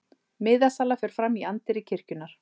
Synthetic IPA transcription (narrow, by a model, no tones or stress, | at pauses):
mɪðasalafɛɾ̥fɾamiant̪ɪɾɪcʰɪr̥cʏnaɾ̥